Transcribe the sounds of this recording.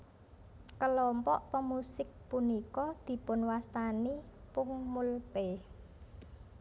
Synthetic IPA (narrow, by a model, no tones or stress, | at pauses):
kəlɔmpɔʔpəmusɪk̚punikɔd̪̥i̤pʊnwast̪anipʊŋmulpe